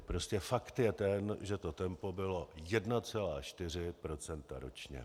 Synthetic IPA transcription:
pɾo̞scɛfakt̪jɛt̪ɛnʒɛt̪o̞t̪ɛmpo̞bɪlo̞jɛdnat͡sɛlaːt͡ʃt̪ɪr̝ɪpɾo̞t͡sɛnt̪a̰ɾo̞̰t͡ʃɲɛ̰

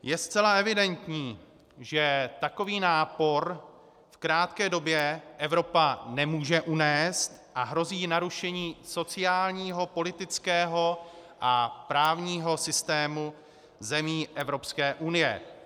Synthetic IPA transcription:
jɛst͡sɛlaɛvɪdɛnt̪ɲiː | ʒɛt̪ako̞viːnaːpo̞ɾ | fkɾaːt̪kɛːdo̞bjɛʔɛvɾo̞panɛmuːʒɛʔunɛːst̪ʔaɦɾo̞ziːnaɾuʃɛɲiːso̞t͡sɪaːlɲiːɦo̞po̞lɪt̪ɪt͡skɛːɦo̞ʔapɾaːvɲiːɦo̞sɪst̪ɛːmu | zɛmiːʔɛvɾo̞pskɛːʔunɪjɛ̰

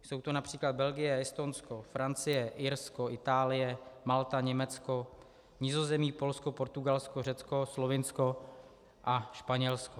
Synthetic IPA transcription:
so̞wt̪onapr̝̥iːklad̪̚bɛlɡɪjɛjɛst̪onskofɾant͡sɪjɛʔɪɾskoʔɪt̪aːlɪjɛmalt̪aɲɛmɛt͡sko̞ | ɲɪzo̞zɛmiːpo̞lskopo̞ɾt̪uɡalskorɛt͡sko̞slovɪnsko | ʔaʃpaɲɛlsko

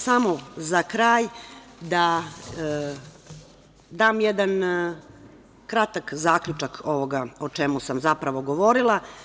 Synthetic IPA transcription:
samo̞zakɾaːjd̪a | d̪aːmjed̪an | kɾat̪akzaːkʎʲut͡ʃakʰo̞ʋo̞ɡaot͡ʃemusamzapɾaʋo̞ɡo̞ʋo̞ɾilˠa

